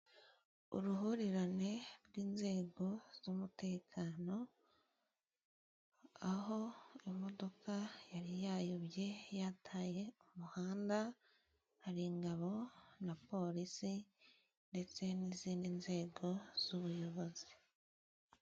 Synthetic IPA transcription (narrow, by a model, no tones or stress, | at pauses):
ṵɾuɦuɾiɾane̞ɾɡiːnze̞ːɡo̞z̥umute̞ːkʰaːno̞ | aɦo̞imo̞do̞kʰajaɾijaːjoβje̞jatʰaːje̞umuhaːnda | haɾiŋɡaβo̞napo̞ɾisi | nde̞t͡se̞niziːndinze̞ːɡo̞z̥uβujo̞βo̞zi